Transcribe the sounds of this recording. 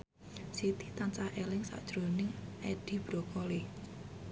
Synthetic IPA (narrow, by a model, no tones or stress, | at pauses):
sit̪it̪ant͡ʃahʔɛlɪŋsa̰ʔd̥ʒ̥ɾonɪŋʔɛɖ̥i̤b̥ɾo̤kɔle